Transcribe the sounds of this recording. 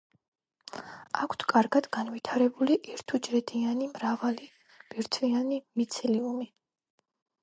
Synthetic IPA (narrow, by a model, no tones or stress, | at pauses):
akʷʰt̪ʰkʼaɾɡad̪̥ɡanvit̪ʰaɾɛbuliʔiɾt̪ʰud͡ʒɾɛd̪ianimɾavali | b̥iɾt̪ʰvianimit̪sʰɛliumi